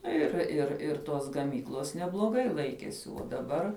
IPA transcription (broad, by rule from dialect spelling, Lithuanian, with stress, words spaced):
ˈnʊ ˈɪr ɪr ɪr toːs ɡɐˈmʲiːklˠoːs nʲɛblˠoːˈɡɐɪ ˈlˠɐɪkʲiɛsʲɪ uɔ dɐˈbɐr